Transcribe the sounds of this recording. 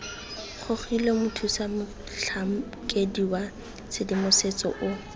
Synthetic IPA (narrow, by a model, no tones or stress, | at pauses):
χʰʊχilɔmʊtʰusamʊ | ɬʰam̩ | kʼediwa | sɪdɪmʊset͡sɔ̰ʔʊ